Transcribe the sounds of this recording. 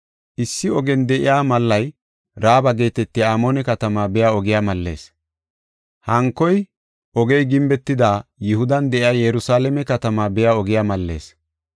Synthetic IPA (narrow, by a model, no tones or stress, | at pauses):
ʔɪsːɪɔɡɛnd̪ɛʔɪjaːmɐlːɐj | ɾaːbɐɡe̞ːt̪ɛt̪ːɪaːmoːnɛkɐt̪ɐmaːbɛjaːɔɡɪjaːmɐlːe̞̰ːs | hɐŋkːɔj | ʔɔɡɛjɡɪmbɛt̪ːɪd̪aːjɪhʊd̪ɐnd̪ɛʔɪjaːjɛɾʊsaːlɛmɛkɐt̪ɐmaːbɛjaːɔɡɪjaːmɐlːe̞̰ːs